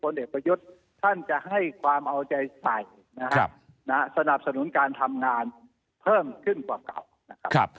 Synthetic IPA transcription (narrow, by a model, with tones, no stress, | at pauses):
pʰo˧nʔeː˨˩k̚pɾa˧ju˦˥t̪̚ʰː | a˥˩nt͡ɕa˨˩ʔɦa˥˩jkʰwaː˧mʔa˧wt͡ɕa˧jsa˨˩j | na˦ | na˦˥sa˧na˨˩p̚sa˧nu˩˦nkaː˧nt̪ʰa˧mŋaː˧n | pʰɤː˥˩mkʰɯ˥˩nkwaː˨˩ka̰˨˩w | na˦˥kʰa˦˥kʰp̚